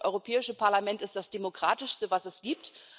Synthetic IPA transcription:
ʔɔ̰ʏʁopʰɛːɪʃəpʰaɐlamɛntɪstd̥asd̥emokʁ̥aːtɪʃstəvasɛsɡ̥iːp̚t

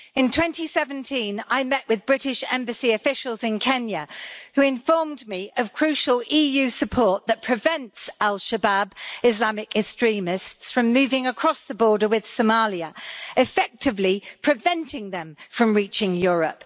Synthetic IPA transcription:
ɪ̃ntʰw̥ɛ̃ntisɛvə̃ntʰĩnaɪmɛʔwɪðbɹɪtɪʃɛ̰̃mbəsiəfɪʃəlˠzɪ̃nkʰɛ̃njəhʉɪ̃ɱfɔːmdmiʔəv̥kʰɹ̥ʉˑʃəliːjʉːsəpʰɔˑʔðəʔpʰɹ̥ɪvɛ̃ntsalˠʃəbabɪzlamɪkɛkstɹ̥ĩːmɪstsfɹə̃mːʉːvɪ̃ŋəkʰɹ̥ɒsðəbɔːdəwɪð̥səmɑːljəɪfɛk̚tɪvlipʰɹ̥ɪvɛ̃ntʰɪ̃ŋðə̃ɱfɹə̃mɹiˑt͡ʃɪ̃ŋjɔːɹə̰p

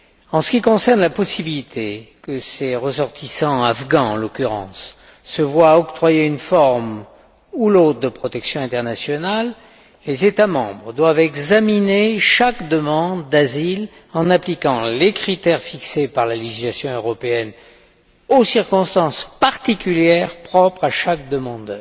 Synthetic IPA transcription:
ɑ̃sə̥kʲikɔ̃sɛʁnlapɔsibilit̪ʰekəseʁəsɔʁt̪ʰisɑ̃afɡɑ̃ɑ̃lɔkʲyʁɑ̰̃sː | əvwaɔkt̪χwajeynfɔʁm | ulot̪χəd̪əpχɔt̪ɛksjɔ̃ɛ̃t̪ɛʁnasjɔnalː | ezet̪amɑ̃bʁd̪wavɛɡzamineʃakd̪əmɑ̃d̪ːazil | ɑ̃naplikɑ̃lekχit̪ɛʁfiksepaʁlaleʒislasjɔ̃øʁɔpeɛn | osiʁkɔ̃st̪ɑ̃spaʁt̪ikʲyljɛʁpχɔpχaʃak̚d̪əmɑ̃d̪œːʁ

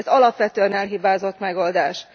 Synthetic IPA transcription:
zɒlɒpʋɛt̪øːɛnɛlɦibaːzo̞t̪mɛɡo̞ld̪aːʃ

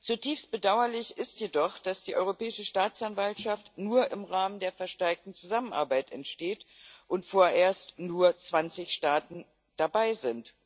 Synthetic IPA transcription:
t͡sutʰiːfst̚b̥ədaʊɐlɪçɪstjedɔχd̥asd̥iːʔɔ̰ʏʁopɛːɪʃəʃtaːt͡sanvaltʃaftnuːɐʔɪmʁaːməndeːɐfɛɐʃtɛɐk̚tn̩t͡suzamənʔaɐbaɪtɛ̰ntʃteːtʔʊntfoːɐʔeːɐstnuːɐt͡sv̥ant͡sɪçʃtaːtn̩ | d̥abaɪzɪnt

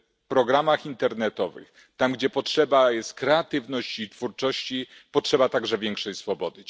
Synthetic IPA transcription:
pɾɔɡɾamaxint̪ɛɾnɛt̪ɔvɘ̰x | t̪amɡd͡ʑɛpɔtʂɛbajɛst̪̚kɾɛat̪ɘvnɔɕt͡ɕiːt̪fuɾt͡ʂɔɕt͡ɕipɔtʂɛbat̪aɡʐɛvʲjɛŋkʂɛjsfɔbɔd̪ɘ

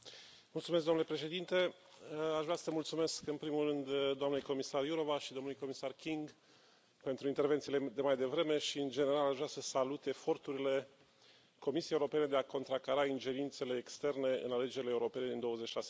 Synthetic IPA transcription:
mult̪sumesɡd̪omnulepɾe̞ʃe̞d̪int̪e̞ | aʃvɾasəəmult̪sume̞skɨnpɾimulrɨnd̪d̪ːoamnejko̞misarjuɾo̞vaʃid̪o̞mnulujko̞misarkʲiŋɡ | pe̞nt̪ɾuint̪e̞rvet̪siled̪e̞majd̪e̞vɾe̞me̞ʃiɨnd͡ʒe̞ne̞ɾalaʒvɾʲasəsalut̪e̞fo̞rt̪uɾile̞ | ko̞misiejeuɾo̞pe̞ne̞d̪e̞ako̞nt̪ɾakaɾaind͡ʒe̞ɾint̪se̞le̞ːkst̪e̞rne̞ɨ̰nale̞d͡ʒeɾileːuɾo̞pe̞ne̞d̪ind̪o̞wəzet͡ʃːiʃase

